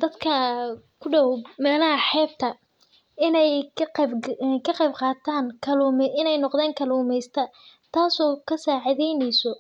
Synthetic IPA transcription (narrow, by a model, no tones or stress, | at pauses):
d̪ɐd̪kʰɐkʰʊɖɔwmɛːlɐɦɐħɛːb̚t̪ʰɐ | ɪnɛj | kʰɐqɑjbqɑːt̪ʰaːnkʰɐlumʔɪnɛjnɔqðɛːŋkʰɐluːmɛjst̪ʰɐ | t̪ʰaːsɔːkʰɐsaːʕɪðɛjnɛjsɔ